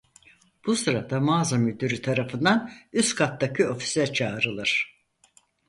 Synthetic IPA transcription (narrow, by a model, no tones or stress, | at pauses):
b̥usɯɾad̪amaːzamyd̪yɾit̪ʰaɾafɯnd̪anyskʰat̪ːacʰio̞fi̥sɛt͡ʃʰaːɾɯlˠɯɾ̥